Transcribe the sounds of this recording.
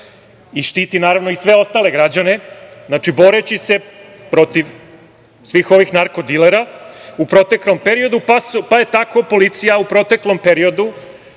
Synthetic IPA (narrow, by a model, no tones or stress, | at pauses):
iʃt̪iːt̪inaːɾaʋno̞isʋe̞o̞st̪ale̞ɡɾad͡ʑane̞znat͡ʂibo̞ɾe̞t͡ɕise̞ | pɾo̞t̪iʋ | sʋixo̞ʋixnaɾko̞d̪ileɾaupɾo̞t̪e̞klo̞mpeɾio̞d̪upaspaje̞t̪ako̞po̞lit̪sijaupɾo̞t̪e̞klo̞mpeɾio̞d̪u